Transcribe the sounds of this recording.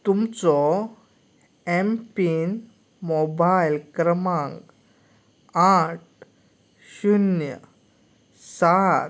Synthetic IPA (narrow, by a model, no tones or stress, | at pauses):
t̪umt͡sɔ | empin | mobajlkɾəmãŋɡ | aʈ̚ | ɕunjə̰ | saɾ